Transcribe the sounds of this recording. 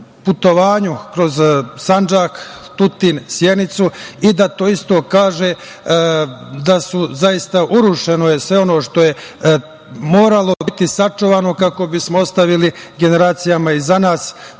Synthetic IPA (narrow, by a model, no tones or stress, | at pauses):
put̪o̞ʋaːɲukɾo̞zsand͡ʒaːkt̪ut̪insjed̪nit̪suid̪at̪o̞ːist̪o̞ːkaːʒe | d̪asuzajist̪aʔuɾuʃe̞nojesʋe̞o̞no̞ːʃt̪o̞je̞ | mo̞ːɾalo̞t̪isat͡ʂuʋaːno̞kako̞bismoost̪aʋiliɡe̞ne̞ɾaːt̪sijamaizanaːs